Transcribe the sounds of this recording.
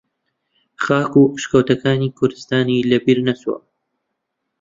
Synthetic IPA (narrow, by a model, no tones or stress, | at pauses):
χaːkuʃkɐwt̪ɐkaːniːkʰʊɾd̪ɨst̪aːniːlɐbiːɾnɐswɐ̰